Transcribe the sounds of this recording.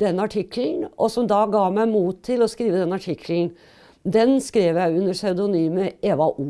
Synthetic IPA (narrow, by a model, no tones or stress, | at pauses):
d̪ɛnːəɑʈʰɪkln̩ʔɔsɔmd̪ɑɡɑːmæɪmuːt̪ʰːɪlɔskɾiːʋəd̪ɛnəɑʈʰɪkʰln̩ | d̪ɛnskɾeːʋjæɪʉnːəsɑʉd̪ʊnyːməeːʋɑʔuː